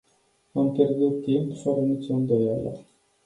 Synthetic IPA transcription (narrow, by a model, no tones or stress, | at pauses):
ampʲjerd̪ut̪ːimpfəɾənit̪sʲund̪ojalə̰